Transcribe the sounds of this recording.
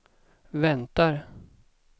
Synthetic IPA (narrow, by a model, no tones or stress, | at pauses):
vɛnt̪aɾ